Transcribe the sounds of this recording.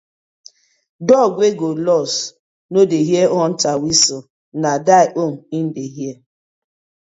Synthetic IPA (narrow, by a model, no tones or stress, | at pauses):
dɔɡʷeɡolɔs | nodeɦjeɔn̩tawisɔ | nadaɪʔom̩in̩deɦje